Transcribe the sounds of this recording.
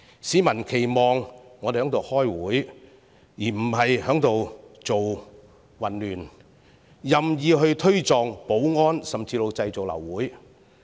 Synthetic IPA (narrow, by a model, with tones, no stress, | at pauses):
siː˨˥mɐ˨˩nkʰe˨˩jmɔː˨ŋːɔː˨˧te˨hœː˨˥t̪o˨whɔː˥jwuː˨˥j | jiː˨˩m̩˨˩hɐ˨jhœː˨˥ŋt̪o˨wt͡so˨w | wɐ˨˩nlyː˨˩n | jɐ˨mjiː˨˧ɦɵ˧ɥt̪ʰɵ˥ɥt͡sɔː˨ŋpo˨˥wŋɔː˥nsɐ˨mt͡siː˧lo˨˧wt͡sɐ˧jt͡so˨wlɐ̰˨˩wːuː˨˥j